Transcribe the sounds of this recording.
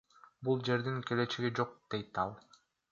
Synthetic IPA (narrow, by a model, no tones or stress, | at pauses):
bulˠd͡ʒe̞ɾd̪iŋkʲe̞le̞t͡ʃeɡid͡ʒo̞q̚d̪̥e̞jt̪ɑlˠ